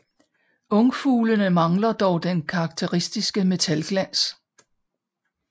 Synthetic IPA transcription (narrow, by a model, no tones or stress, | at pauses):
ɔ̽ŋfuːlənəmɑ̈ŋlɐd̥ɒʊd̥enkʰɑ̈ːɡ̥̚t͡sʰe̝ʁisd̥isɡ̥əme̝t͡sʰælɡ̥læn̰s